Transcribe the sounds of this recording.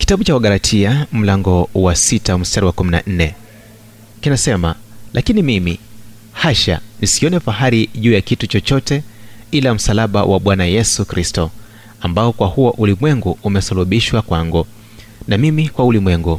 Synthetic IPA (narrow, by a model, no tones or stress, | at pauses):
ki̥taɓut͡ʃawaɠaɾatʰiam̩laŋɡɔwasitam̩staɾiwakumina̰n̩nɛ | kinasɛmalʔakinimimḭ | haʃa̰nisiɔnɛfaɦaɾiʄuːjakitut͡ʃɔt͡ʃɔtɛilam̩salaɓa̰wʔa̰ɓwanajɛsukɾistɔ | ambaɔkwahuaʔulimwɛŋɡuumɛsaluɓiʃwakwaŋɡu | namimikwaulimwɛŋɡu